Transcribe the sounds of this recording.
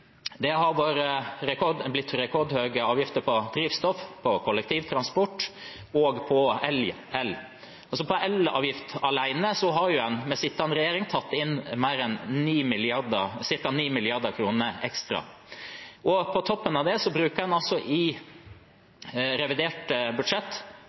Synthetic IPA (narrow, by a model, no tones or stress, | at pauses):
d̪ɛɦɑɾʋoːɾəɾɛkʰɔd̪blɪt̪ːɾɛkʰɔɾd̪høːɡəɑːʋjɪft̪əpʰɔd̪̥ɾiːʋst̪ɔfpʰɔkʰɔlːɛk̚t̪ʰiːʋt̪ʰɾɑnspɔʈː | ɔːɡpʰɔɛl | ɛl | ɑsɔpʰɔʔɛlɑ̰ːʋjɪft̪ɑlæɪnəsɔɦɑɾjʊɛnmɛsɪt̪ːɑnɾɛjeːɾɪŋt̪ʰɑt̪ːɪnmæɪɾɛnniːmɪlɪɑɾd̪əsɪɾkɑniːmɪlɪɑɾd̪əkʰɾuːnəɾɛkst̪ɾɑ̰ | ʔɔpʰɔt̪ʰɔpːənɑʋd̪ɛsɔbɾʉːkəɾɛnɑlsɔʔɪ | ɾɛʋɪd̪eːʈəbʉd̪ʂɛt̪ː